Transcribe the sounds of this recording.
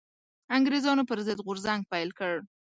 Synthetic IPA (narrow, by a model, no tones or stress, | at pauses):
aŋɡɾezɑnopəɾzəd̪ɣʊɾzaŋɡ̚pajlkəɽ